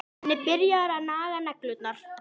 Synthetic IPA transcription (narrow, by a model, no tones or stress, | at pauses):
nɪpɪɾjaɾanaːɣanɛklʏt̪naɾ̥